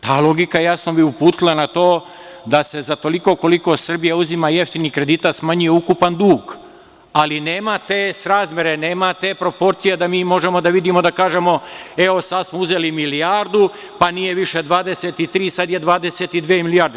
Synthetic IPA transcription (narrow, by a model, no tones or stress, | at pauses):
t̪aːlˠo̞ɡikaejasno̞biupuːt̪ilˠanat̪o̞ː | d̪ase̞zat̪o̞liko̞ko̞liko̞sr̩bijauzimaje̞ft̪inikɾed̪iːt̪at̪smaɲujeukupand̪uːɡ | aline̞ːmat̪eːsɾaːzmʲje̞ɾene̞ːmat̪eːpɾo̞po̞ɾt̪sijed̪amiːmo̞ʒe̞mo̞d̪aʋid̪imo̞d̪akaːʒe̞mo̞e̞o̞sad̪smouze̞limilijaɾd̪u | panije̞ʋiʃe̞d̪ʋaːd̪e̞set̪it̪ɾiːsad̪jed̪ʋaːd̪e̞set̪id̪ʋeːmilijaɾd̪e